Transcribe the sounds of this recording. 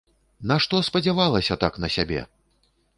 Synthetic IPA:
naʂt̪ɔspɐd͡zʲavalˠɐsʲɐt̪aknɐsʲabʲɛ̰

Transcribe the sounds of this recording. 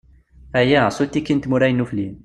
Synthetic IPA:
æjæsut̪ːikːint̪muɾæjnːuflin

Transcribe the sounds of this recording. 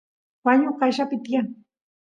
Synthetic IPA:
waɲʊɢaʃapɪt̪jaŋ

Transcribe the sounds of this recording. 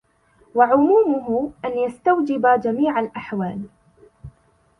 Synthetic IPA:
waʕʊmuːmʊɦʊʔanjast̪awd͡ʒɪbad͡ʒamiːʕalʔaħwaːl

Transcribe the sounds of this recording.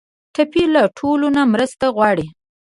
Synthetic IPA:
ʈapilaʈʰolonamɾəst̪aɣwɑɽi

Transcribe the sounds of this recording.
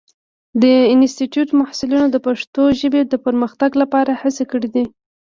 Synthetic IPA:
d̪əɪnstiʈjuʈmahsɪlunod̪əpaʂt̪oʒəbed̪əpəɾməxt̪aɡlapɑɾahasekəɽed̪i

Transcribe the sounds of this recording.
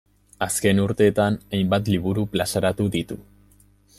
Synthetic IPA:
aske̞nuɾt̪e̞ːt̪anajmbat̪liβuɾuplasaɾat̪uðit̪u

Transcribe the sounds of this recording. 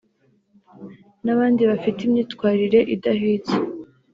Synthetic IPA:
naβaːndiβafitimɲiːtkwaːɾiɾe̞ʔidaɦiːt͡se

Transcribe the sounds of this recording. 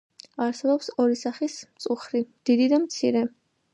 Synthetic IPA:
aɾsɛbɔpsɔɾisaχismt̪sʼuχɾid̪̥id̪id̪amt̪sʰiɾɛ

